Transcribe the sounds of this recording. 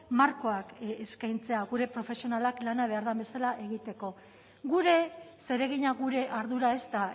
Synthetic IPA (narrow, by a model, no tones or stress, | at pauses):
maɾko̞akeskajnt͡se̞aɣuɾe̞pɾo̞fe̞sio̞nalaklanaβ̞e̞aɾðambe̞salaʔe̞ɣ̞it̪e̞ko̞ | ɣuɾe̞se̞ɾe̞ɣ̞iɲaɣuɾe̞ʔaɾðuɾae̞st̪a